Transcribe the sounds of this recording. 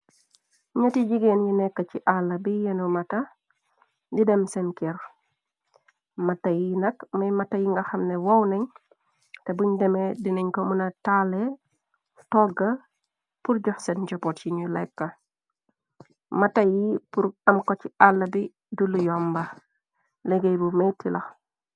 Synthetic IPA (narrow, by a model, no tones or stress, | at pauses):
ɲɐtiɟiɡenjinɛkːɐt͡ʃiʔalːɐbijɛnumɐtɐ | ndidɛmsɛnkɛɾ | mɐtːɐjinɐkmɐjmɐtːɐjiŋɡɐxɐmnɛwɐwnɛɲ | tebuɲdɛmediniɲkɔmunɐtalɛ | tɔɡɐ | puɾɟɔxsɛnd͡ʒɔpɔtjiɲulɛkːɐ | mɐtɐjipuɾɐmkɔt͡ʃialːɐbi | dulujɔmbɐ | leɡejbumetːilʔɐx